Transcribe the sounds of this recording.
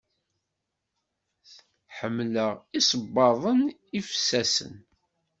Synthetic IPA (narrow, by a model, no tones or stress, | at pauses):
ħəmːləʁisəbːɑðˤən | ifsæsə̰n